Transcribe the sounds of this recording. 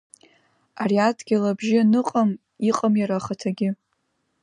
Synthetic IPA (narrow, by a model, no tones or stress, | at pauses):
ariatʰʼɡʲilabʒɪanɨqʼam | iqʼamjaɾaχatʰaɡʲɪ